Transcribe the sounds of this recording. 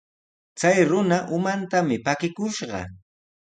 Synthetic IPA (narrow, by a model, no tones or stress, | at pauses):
t͡sajɾʊnaʔʊmant̪amɪpakɪkʊʃɢɑ̰